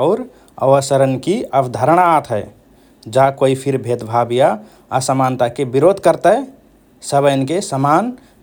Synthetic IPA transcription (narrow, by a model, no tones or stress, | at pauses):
ʊɾ | ə̰ʋəsəɾənkiəbd̪ʱəɾəɽ̃aːt̪ʰɦɛ | d͡ʒakoipʰiɾbʱed̪bʱabija | asəmant̪akebiɾod̪ʱkəɾt̪ə | səbənkesəman